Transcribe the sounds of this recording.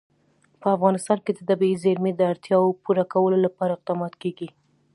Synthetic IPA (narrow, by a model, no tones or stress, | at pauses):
pəafɣɑnɪst̪ɑnked̪ət̪abiizeɾmed̪əaɾt̪jɑwopuɾakawəlolapɑɾaɪq̚d̪ɑmɑt̪keɡi